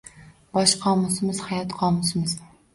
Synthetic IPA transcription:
b̥ɒʃqʰɒmʊsɪmɪz̥hajɒt̪qʰɒmʊsɪmɪz̥

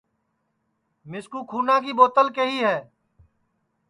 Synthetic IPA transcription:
mɪskuːkʰuːnãːkiːboːt̪əlkeɦiːɦɛː

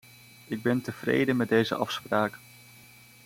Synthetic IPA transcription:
ɪɡ̚bɛntəv̥rḛjdənmɛt̚dejzəʔɑfspraːk

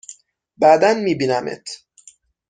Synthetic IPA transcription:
bæd̪ænmiːbiːnæmḛt̪ʰ

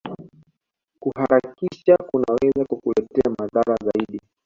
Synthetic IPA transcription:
kuhaɾakiʃakunawɛzakukulɛtɛamaðaɾazaiɗi

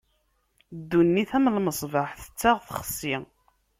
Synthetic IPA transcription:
d̪ːunːiθæmlməsˤvaħθə̥t͡sːaʁθəχə̥sːi

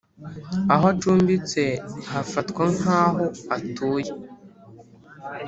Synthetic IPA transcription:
aɦat͡ʃuːmbit͡se̞hafatkwaŋaːɦo̞atuːje

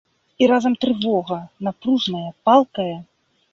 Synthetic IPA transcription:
iɾazɐmt̪ɾɨvɔɣɐnapɾuʐnɐjɐpalˠkɐjɐ

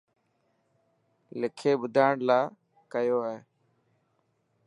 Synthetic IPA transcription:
lɪkʰeːbʊd̪ʱaːɽlaː | kəjoːɦɛː

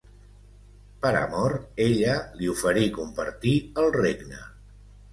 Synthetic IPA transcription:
pəɾə̰mɔɾeʎəliufəɾikumpə̰ɾt̪iəlˠreɡnə̰

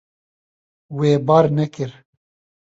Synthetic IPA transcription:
weːbaːɾnɛkɨɾ

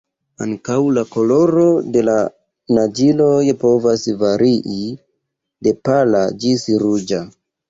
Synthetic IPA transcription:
aŋkawlako̞lo̞ɾo̞de̞la | nad͡ʒilo̞jpo̞vasvaɾʔiʔi | de̞palad͡ʒisɾud͡ʒa

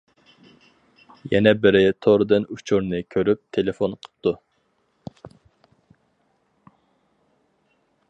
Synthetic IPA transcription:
jɛnɛbɪɾɪt̪ʰoɾɨd̪ɨnut͡ʃʰuɾnɨkʲʰøɾyp̚t̪ʰelefonqʰə̥p̚t̪u

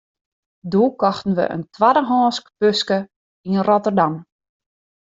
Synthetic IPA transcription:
duːkɔxtn̩ʋə̰ʔə̰ntʰwadəɦɔ̃ːskpøskə | inrotərdam

